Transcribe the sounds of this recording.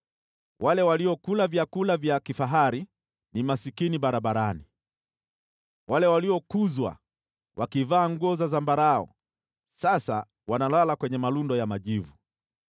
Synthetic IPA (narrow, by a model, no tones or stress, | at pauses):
wʔalɛwaliɔkulavjakulavjakifaɦaɾi | nimasikiniɓaɾaɓaɾani | walɛwaliɔkuzwa̰ | wakivaːŋɡuɔzazambaɾaɔ̰ | sasa̰ | wanalalakwɛɲɛmalundɔjamaʄivu